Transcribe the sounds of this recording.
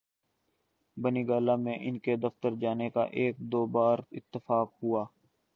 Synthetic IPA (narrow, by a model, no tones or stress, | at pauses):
bəniːɡaːlaːmẽʔɪnked̪ɐft̪əɾd͡ʒaːneka̰ʔeːk̚d̪oːbaːɾɪt̪ːəfaːkɦuaː